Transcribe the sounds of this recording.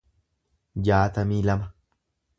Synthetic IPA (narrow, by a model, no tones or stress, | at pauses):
jaːt̪amilama